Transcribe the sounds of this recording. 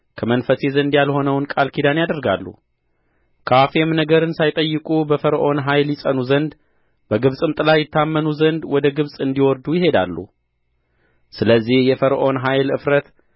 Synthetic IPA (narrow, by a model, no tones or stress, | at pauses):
kʰəmənfəsezənd̪jalho̞nəwnkʼalkʰid̪anjad̪əɾɡa̰lːṵ | kʰəafemnəɡəɾɨnsajt̪ʼəjːɨkʼubəfəɾʔo̞nɦajljɪsʼənuzənd̪ | b̥əɡɨβsʼɨmt̪ʼɨlajɪt̪ːamːənuzənd̪wɔd̪əɡɨβsʼɨnd̪iwɔɾd̪ujɪɦe̞d̪a̰lːṵ | sɨləzːihjɛfəɾʔo̞nɦajlɨ̰fɾət̪